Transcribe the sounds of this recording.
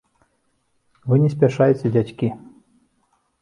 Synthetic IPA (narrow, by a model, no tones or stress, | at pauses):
vɨnʲɛs̬ʲpʲaʂajet͡sʲɛd͡zʲat͡sʲkʲi